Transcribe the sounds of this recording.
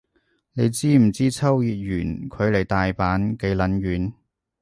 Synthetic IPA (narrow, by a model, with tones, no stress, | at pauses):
ne˨˧jt͡siː˥m̩˨˩t͡siː˥t͡sʰɐ˥wjiː˨˧t̚jyː˨˩nkʰɵ˨˧ɥle˨˩jt̪aː˨jpaː˨˥nke˨˥jlɐ˨˥nɥyː˨˧˥n